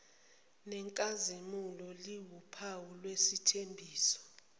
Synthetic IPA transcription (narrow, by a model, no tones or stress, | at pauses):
nɛŋkʼazimulɔliwupʰawulwesitʰembʱiːsɔ̥